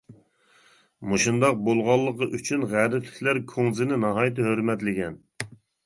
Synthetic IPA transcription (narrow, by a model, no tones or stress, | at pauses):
muʃund̪ɑq̚bolˠʁɑlˠːəqəʔyt͡ʃʰynʁæɾɪpʰlɪ̥kʲlæɾkʰoŋzɪnɪnɑɦɑːjt̪ʰɨhøɾmɛt̪lɪɡʲɛn